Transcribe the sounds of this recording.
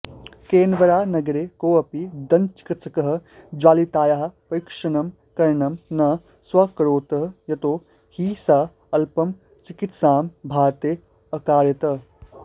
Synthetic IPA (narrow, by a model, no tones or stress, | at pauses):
keːnʋɐɾaːnɐɡɐɾekoːɐpid̪ɐnt͡ʃi̥kɐt͡sʰɐkɐɦɐ̆d͡ʒaːlit̪aːjaɦɐ̆pɐjkʂɐnɐm | kɐɾɳɐmnɐ | swɐkɐɾoːt̪ɐɦɐjɐt̪oː | hiːsaː | ɐlpɐm | t͡ʃikit̪saːmbʱaːt̪eː | ɐkaːɾjɐt̪ɐ